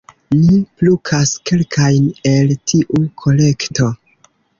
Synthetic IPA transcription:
niplukʰaske̞lkʰajne̞ltʰiʔukʰo̞le̞kto̞

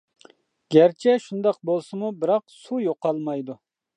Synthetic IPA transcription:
ɡ̥ʲæɾt͡ʃʰɛʃund̪ɑq̚bolˠsɨmubɪɾɑqsujoqɑlˠmɑjd̪u

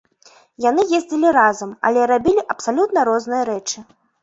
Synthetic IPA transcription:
jan̪ɨjezʲd͡zʲilʲiɾazɐmɐ̰lʲɛɾabʲilʲiʔɐpsalʲut̪nɐɾɔznɨjɐɾɛt͡ʂɨ

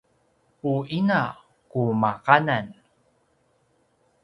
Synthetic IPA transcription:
uina | kumakanan

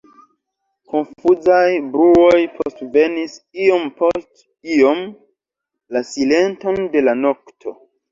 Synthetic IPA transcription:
ko̞nfuzajbɾuo̞jpʰostve̞nisio̞mpo̞st | io̞m | lasile̞nto̞nde̞lano̞ktʰo̞̰

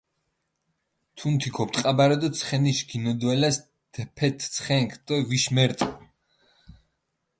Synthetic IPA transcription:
t̪ʰunt̪ʰikʰɔpt̪ʼqʼabaɾɔd̪ɔt̪sʰχɛniʃɡinɔd̪wɛlas | d̪̥ɛpʰɛt̪ʰt̪sʰχɛŋkʰd̪̥ɔviʃmɛɾt̪ʼ

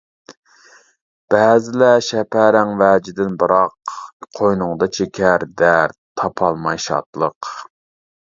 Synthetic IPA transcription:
b̥ɛːzɪlɛʃɛpʰæɾæŋvæːd͡ʒɪd̪ɪnbɨɾɑqqʰojnʊŋd̪ɑt͡ʃʰekʲʰæɾd̪æɾt̪ʰːɑpʰɑlˠmɑjʃɑ̰t̪lˠəq

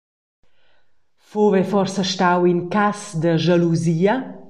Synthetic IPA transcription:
fovɛfɔrsəʃt̪awinkasd̪əʒaluziːə

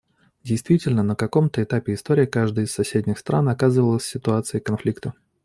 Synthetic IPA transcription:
dʲɪjst̪vʲitʲɪlʲnənəkɐko̞mt̪əɪt̪apʲɪɪst̪oɾʲɪjəkaʐd̪əjɪssɐsʲedʲnʲɪxst̪ɾa̰nɐkazɨvəlˠəsʲsʲɪt̪ʊat̪sɨjəkɐnflʲikt̪ə

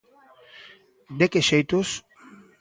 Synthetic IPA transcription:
d̪ekeʃejt̪os

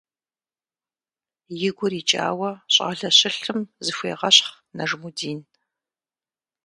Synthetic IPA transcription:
jɪɡʷʊɾiːt͡ʃʼa̰ːwɐɕʼa̰ːɮɐɕɪɬɨmzɨfʷḛːʁɐɕχ | nɐʐmudiːn

